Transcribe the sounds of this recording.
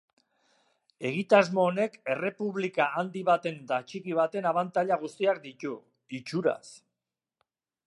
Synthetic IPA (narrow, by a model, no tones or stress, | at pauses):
e̞ɣ̞it̪azmo̞ːne̞ke̞re̞puβlikaʔːnd̪iβat̪e̞nd̪at͡ʃikiβ̞at̪e̞naβant̪aʎaɣ̞ust̪iak̚d̪it̪u | it͡ʃuɾa̰s